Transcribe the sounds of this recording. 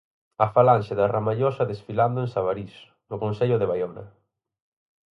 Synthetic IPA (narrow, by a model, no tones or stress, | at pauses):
ɐfalanʃɪðaramaʎɔsɐðesfiland̪ʊẽnsaβaɾis | nʊkõnseʎʊðeβajɔnɐ̰